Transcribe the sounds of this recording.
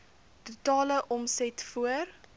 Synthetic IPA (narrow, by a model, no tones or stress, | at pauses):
tutɑːləʔɔmsɛtfuər